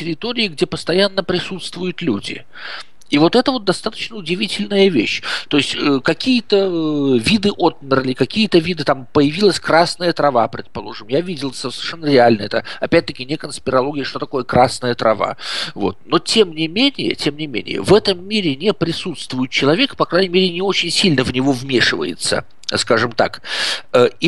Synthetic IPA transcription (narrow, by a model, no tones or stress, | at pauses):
tʲɪɾʲɪt̪oɾʲɪɪɡdʲepəst̪ɐjanːəpɾʲɪsut̪st̪vʊjʊt̪lʲudʲɪ̰ | ivo̞t̪ɛt̪əvo̞t̪̚d̪ɐst̪at̪ə̥t͡ɕnəʊdʲɪvʲitʲɪlʲnəjəvʲḛɕt̪o̞ɪsʲtʲəkɐkʲijət̪əvʲid̪ɨʔo̞t̪̚mʲɪrlʲɪkɐkʲijət̪əvʲid̪ɨt̪ampəjɪvʲilˠəsʲkɾasnəjət̪ɾɐvapɾʲɪt̪̚pɐlˠo̞ʐɨmjavʲidʲɪlˠssʲɪ̥ʂɛnːəɾʲɪalʲnəɛt̪əɐpʲæt̚ʲt̪əkʲɪnʲɪkənspʲɪɾɐlˠo̞ɡʲɪjəʂt̪o̞t̪ɐko̞jəkɾasnəjət̪ɾɐva̰vo̞̰t̪̚no̞tʲe̞mnʲɪmʲenʲɪjə̰tʲe̞mnʲɪmʲḛnʲɪ̰jə̰vɛt̪əmːʲiɾʲɪnʲepɾʲɪsut̪st̪vʊjɪt̪̚t͡ɕɪlˠɐvʲe̞kpɐkɾanʲɪmʲeɾʲɪnʲɪo̞t͡ɕɪnʲsʲilʲnəvnʲɪvo̞vmʲeʂɨvə̰jɪ̰t̪sə̰ | skaʐɨmt̪a̰kəi